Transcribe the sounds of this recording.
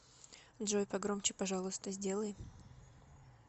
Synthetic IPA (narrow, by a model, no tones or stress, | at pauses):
d̪ʐojpɐɡɾomt͡ɕɪpɐʐalˠʊst̪əzʲdʲe̞lˠəj